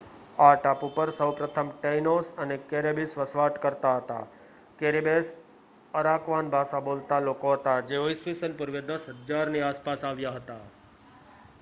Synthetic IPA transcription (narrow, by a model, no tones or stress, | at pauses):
aʈapupəɾsəwpɾət̪ʰəmʈejnosənekeɾebisʋəsʋaʈkəɾt̪aɦət̪a̰ | keɾebes | əɾakʋanbʱasabolt̪alokoɦət̪ad͡ʒeʋoisʋisənpʊɾʋed̪əsɦəd̪d͡ʒaɾniaspasaʋjaɦət̪a